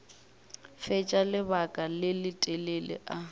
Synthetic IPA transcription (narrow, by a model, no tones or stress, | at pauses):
fɛt͡ʃʼalɪbakʼalɪlɪtʼɛlelɪ̰ʔa